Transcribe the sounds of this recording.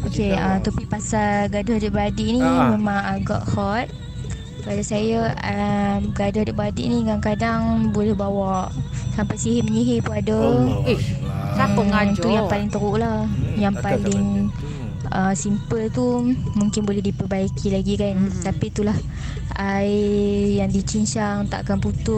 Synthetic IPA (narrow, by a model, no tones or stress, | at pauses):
ʔokeət̪apipasalɡadahdəʔbadiʔnimemãŋaɡa̰ʔhɔt̪̚ | padasajaəɡadahdəʔbadḭʔniɡaŋkadaŋbolɛhbawaʔsampajsiɦiməɲiɦepəada | t̪ujaŋpalɪŋt̪əɾuʔlahjaŋpalɪŋ | əsimpəlt̪umuŋkɪnbolɛhdipərbaikilaɡikant̪apit̪ulah | aijaŋdit͡ʃint͡ʃaŋt̪a̰ʔakanput̪ʊ